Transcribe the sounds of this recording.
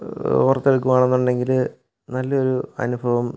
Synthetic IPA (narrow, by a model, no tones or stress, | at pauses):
oːrɐt̪ːeɭkːumaːɳenːuɳɖe̞ŋɡil | nɐlːɐo̞ɾuɐ̰nubʱɐʋɐm